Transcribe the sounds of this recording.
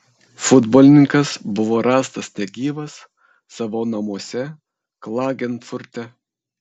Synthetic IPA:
fʊd̪boːlʲɪnʲɪŋkɐsbʊʋoːɾɑːst̪ɐsnʲɛɡʲiːʋɐsː | ɑʋoːnɐmuɔsʲɛ | klˠɑːɡʲɛnfʊɾʲt̪ʲɛ

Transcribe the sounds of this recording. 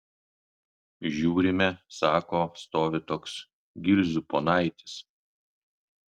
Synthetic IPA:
ʒʲuːɾʲɪmʲɛsɑːkoːst̪oːʋʲɪt̪oːks | ɡʲɪɾʲzʲʊpoːnɑɪt̪ʲɪ̥s

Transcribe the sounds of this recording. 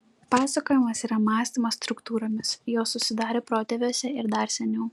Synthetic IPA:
pɑːsɐkoːjɪmɐsiːɾɐmɑːsʲt̪ʲimɐsst̪ɾʊkt̪uːɾoːmʲɪsjoːsːʊsʲɪd̪ɑːɾʲeːpɾoːt̪ʲɛʋʲoːsʲɛɪɾd̪ɐɾsʲɛnʲɛʊ

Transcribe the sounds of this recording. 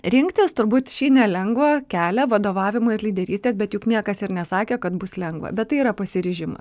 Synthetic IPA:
ɾʲɪŋkt̪ʲɪst̪ʊɾbuːt̪ʃʲiːnʲɛlʲɛŋɡʋɐkʲæːlʲɛʋɐd̪oːʋɑːʋʲɪmoɪɾlʲiːd̪ʲɛɾʲiːst̪ʲeːsbʲɛt̪jʊknʲiɛkɐsɪɾnʲɛsɑːkʲɛːkɐt̪bʊslʲɛŋɡʋɐ̰bʲɛt̪t̪ːɐɪiɾɐpɐsʲɪɾʲɪʒʲɪmɐ̰s

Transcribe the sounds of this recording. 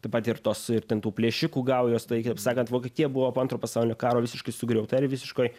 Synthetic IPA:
t̪ɐɪpɐt̪ɪrt̪oːsɪrt̪ʲɛnt̪uːpʲlʲeːʃʲɪkuːɡɐʊjoːst̪ɐɪkɐɪpsɑːkɐnt̪ʋoːkʲɛt̪ʲiːjɛbʊʋoːpoːɐnt̪ɾoːpɐsɐʊlʲɪnʲoːkɑːɾoːʋʲɪsʲɪʃkɐɪsʊɡɾʲɛʊt̪ɐɾʲʋʲɪsʲɪʃkoːɪ

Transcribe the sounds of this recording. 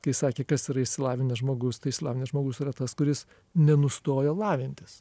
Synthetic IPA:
kɐɪsɑːkʲeːkɐsiɾɐɪʃʲsʲɪlˠɑːʋʲɪnʲɛsʒmoːɡʊst̪ɐɪʃsʲɪlˠɑːʋʲɪnʲɛʒmoːɡʊsiːɾɐt̪ɐskʊɾʲɪs | nʲɛnʊst̪oːjoːlˠɑːʋʲɪnʲt̪ʲɪs

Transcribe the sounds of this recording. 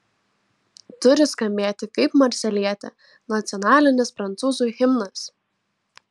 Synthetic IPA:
t̪ʊɾʲɪskɐmʲbʲeːt̪ʲɪkɐɪpmɐɾʲsʲɛlʲiɛt̪ʲɛ | nɐt̪sʲɔnɑːlʲɪnʲɪspɾɐnt̪suːzuːjxʲɪmnɐs

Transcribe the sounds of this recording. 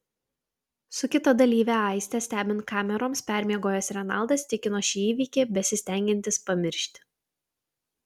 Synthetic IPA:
sʊkʲɪt̪ɐd̪ɐlʲiːʋʲæɑˑɪsʲt̪ʲɛsʲt̪ʲæːbʲɪnt̪̚kɑːmʲɛɾoːmspʲæˑɾʲmʲiɛɡoːjɛsɾʲɛnɑlˠd̪ɐst̪ʲɪkʲɪnoːʃʲiːiːʋʲiːkʲeːbʲɛsʲɪsʲt̪ʲæˑŋʲɡʲɪnʲt̪ʲɪspɐmʲɪɾʲʃʲt̪ʲ

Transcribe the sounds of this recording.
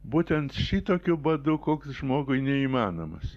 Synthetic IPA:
buːt̪ʲɛnt̪ʃʲit̪oːkʲʊbɐd̪ʊkoːksʒmoːɡʊɪnʲɛiːmɑːnoːmɐs

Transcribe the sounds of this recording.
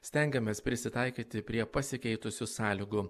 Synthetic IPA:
sʲt̪ʲɛŋʲɡʲɛmʲeːspʲɾʲɪsʲɪt̪ɑɪkʲiːt̪ʲɪpʲɾʲiɛpɐsʲɪkʲɛɪt̪ʊsʲʊsɑːlʲɪːɡʊ

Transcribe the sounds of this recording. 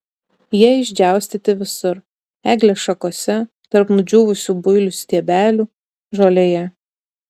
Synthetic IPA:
jiɛɪʒʲd͡ʒʲæˑʊsʲt̪ʲɪt̪ʲɪʋʲɪsʊɾ | æːɡlʲeʃɐkoːsʲɛ | t̪ɐɾpnʊd͡ʒʲuːʋʊsʲuːbʊɪlʲʊsʲt̪ʲiɛbʲæːlʲuː | ʒoːlʲejɛ

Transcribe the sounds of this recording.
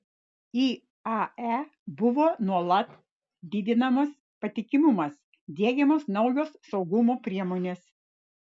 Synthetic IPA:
iː | ɑæ | bʊʋoːnuɔlˠɐt̪ | d̪ʲɪd̪ʲɪnɐmɐːs | pɐt̪ʲɪkʲɪmʊmɐs | d̪ʲiɛɡʲɛmoːsnɒʊjoːsːɒʊɡʊmoːpʲɾʲiɛmoːnʲeːs

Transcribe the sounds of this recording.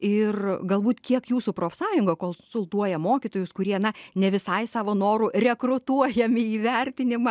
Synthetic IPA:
ɪrɡɐlˠbuːt̪kʲiɛkjuːsupɾoːfsɑːjʊŋɡokoːlˠsʊlˠt̪uɔjɛmoːkʲɪt̪oːjʊskʊɾʲiɛnɐnʲɛʋʲɪsɐɪsɑːʋoːnoːɾurʲɛkɾʊt̪uɔjɛmʲɪiːʋʲɛrʲt̪ʲɪnʲɪmɑ

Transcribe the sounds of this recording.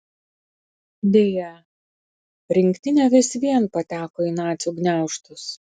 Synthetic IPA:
d̪ʲeːjɛ | ɾʲɪŋʲkt̪ʲɪnʲɛʋʲɪsʲʋʲiɛnpɐt̪ʲæːkoːiːnɑːt̪sʲuɡnʲæˑʊʃt̪ʊs

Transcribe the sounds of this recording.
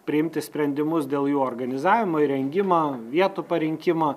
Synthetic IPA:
pʲɾʲɪɪmʲt̪ʲɪsʲpʲɾʲɛnʲd̪ʲɪmʊsd̪ʲeːlˠjuːɔrɡɐnʲɪzɑːʋʲɪmoːɪɾʲɛŋʲɡʲɪmɐːʋʲiɛt̪ʊpɐɾʲɪŋʲkʲɪmɐ

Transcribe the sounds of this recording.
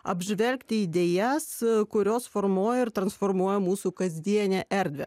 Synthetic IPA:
ɐ̰bʲʒʲʋʲɛlʲkt̪ʲɪid̪ʲeːjɛskʊɾʲoːsfoɾmuːjɛɪɾt̪ɾɐnsfoɾmuɔjɛmuːsuːkɐzʲd̪ʲiɛnʲɛʔɛɾʲd̪ʲʋʲɛ̰

